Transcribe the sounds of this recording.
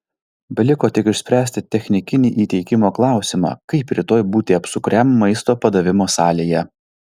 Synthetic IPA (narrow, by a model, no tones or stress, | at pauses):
bʲɐlʲɪkoːt̪ʲɪkɪʃʲsʲpʲɾʲæːsʲt̪ʲɪt̪ʲɛxʲnʲɪkʲɪnʲiːʔiːt̪ʲɛɪkʲɪmoːklˠɑˑʊsʲɪmɑ̰ːkɐɪpɾʲɪt̪oːjbuːt̪ʲɪɐpsʊkɾʲɛmːɐɪst̪oːpɐd̪ɐʋʲɪmoːsɑːlʲeːjɛ